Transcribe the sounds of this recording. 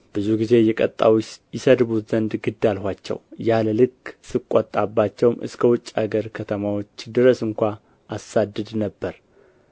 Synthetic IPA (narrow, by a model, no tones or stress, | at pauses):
b̥ɨzuɡize̞jɛkʼət̪ʼːa̰wjɪsəd̪βut̪z̥ənd̪ɡɨd̪alɦʷat͡ʃːɛ̰wjaləlɨkːsɨkʷʼːət̪ʼːabːat͡ʃːɛwmɨ̰skʰəwʊt͡ʃʼːa̰ɡəɾkʰət̪ʰəmawo̞t͡ʃːd̪ɨɾəsɨŋkʷa | ʔasad̪ɨd̪nəbːəɾ